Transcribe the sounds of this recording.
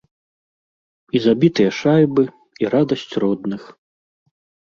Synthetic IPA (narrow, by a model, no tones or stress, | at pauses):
izabʲit̪ɨjɐʂajbɨ | iɾad̪ɐsʲt͡sʲrɔd̪nɨx